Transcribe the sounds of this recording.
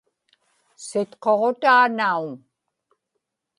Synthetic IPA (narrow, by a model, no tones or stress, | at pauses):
sɪt̪qo̞ʁot̪aːnauŋ